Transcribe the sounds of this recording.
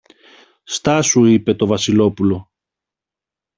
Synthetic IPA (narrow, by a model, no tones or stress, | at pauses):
st̪ɐsuipe̞t̪o̞vɐsilo̞pulo̞